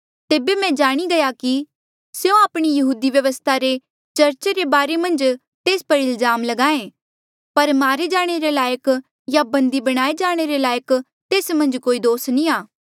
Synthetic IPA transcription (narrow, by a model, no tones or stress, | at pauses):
t̪eːbemɛ̃d͡ʒaːɽ̃iɡɐjaki | sjõaːpɽ̃ijɐɦuːd̪iʋjɐʋəst̪ʰaɾe | t͡ʃɐɾt͡ʃeɾebaːɾemɐ̃nd͡ʒ | t̪eːspɐɾɪlzaːmlɐɡaːẽ | pɐɾmaːɾed͡ʒaːɽ̃eɾelaːjək | jabɐ̃nd̪ibɐɽ̃aːed͡ʒaːɽ̃eɾelaːjək | t̪eːsmɐ̃nd͡ʒkoːid̪oːsnĩaː